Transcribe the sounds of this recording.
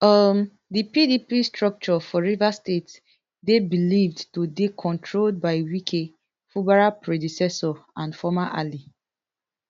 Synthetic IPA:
ɔm | dipidipistɹɔk̚t͡ʃɔfɔɹivastets | debilivdtodekʰɔ̃ntʰɹold̚baɪwikʰe | fubaɹapɹedisɛsɔãnfɔmaʔali

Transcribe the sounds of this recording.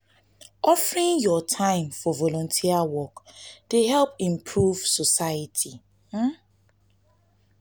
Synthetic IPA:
ɔfəɹĩnjɔtʰãɪ̃mfɔvɔlɔ̃ntʰiawɔkdeɦɛlpĩmpʰɹuv̥sɔsaətʰi

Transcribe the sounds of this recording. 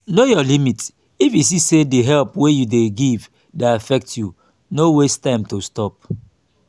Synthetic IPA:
nojɔlimit | ifis̬isediɦɛlpwejudeɡiv | daafɛk̚tju | nowestãɪ̃mtostɔp̚

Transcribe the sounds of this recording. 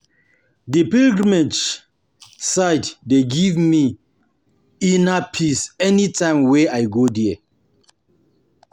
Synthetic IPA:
dipilɡɹimed͡ʒ | sajddeɡivmi | inapʰisɛnitʰãɪmwɛajɡodiɛ

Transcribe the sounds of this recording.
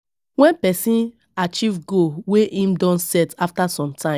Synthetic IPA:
wɛ̃npɛsĩn | at͡ʃivɡoweʔĩmdɔ̃nsɛtaftasɔ̃mtʰãɪ̃

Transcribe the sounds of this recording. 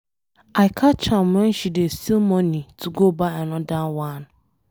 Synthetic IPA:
aɪkʰat͡ʃammɛn̩ʃidesilmɔnituɡobaɪanɔdawanʊ

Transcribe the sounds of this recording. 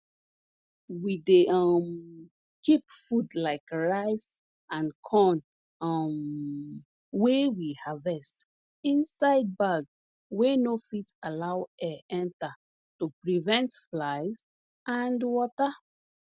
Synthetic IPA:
wideɔm | kipfudlaɪkɹaɪs | ãnkʰɔn | m | wewihavɛst | ĩnsaɪd̚baɡ | wenofitalawɛʔɛ̃nta | tupɹivɛ̃ntflaɪz | ãndwɔta

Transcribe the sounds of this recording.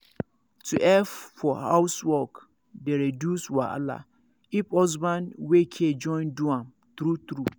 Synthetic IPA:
tʰuʔɛffɔha̰wswɔk | deɹedjuswaʔa̰la̰ | ipɔzbãnwekʰed͡ʒɔ̃j̃nduã | t̪ɾut̪ɾu

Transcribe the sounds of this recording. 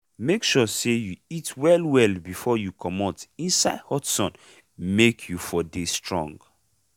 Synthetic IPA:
mekʃusejuitʰwɛlwɛlbifɔjukʰɔmɔtĩnsaɪdhɔtsɔ̃n | mekʰjufɔdestɹɔ̰̃ŋɡ

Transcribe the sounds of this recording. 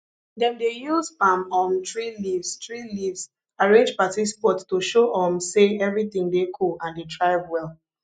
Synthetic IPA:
dɛ̃mdejuzpãmɔmtɹilivstɹilivs | aɹẽnd͡ʒpatispɔttuʃoʔɔ̃mseɛvɹiθĩŋdekʰulãndetʰɹaɪvwɛl

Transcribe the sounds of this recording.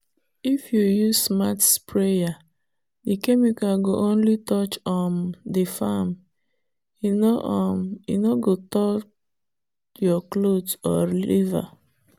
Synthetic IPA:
ifjujuzsmatspɹeja | ikemjukãnɡoʔõnlitɔt͡ʃɔ̃ndefam | inoʔɔmḭnoɡotɔt͡ʃ | jɔklodɔ̰liva̰

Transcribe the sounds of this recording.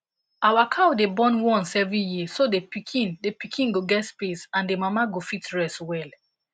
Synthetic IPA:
awakʰawdebɔ̃nwɔ̃nsɛvĩjisodepikʰĩndepikʰĩnɡoɡɛtspesãndemamaɡofitɹɛswɛl

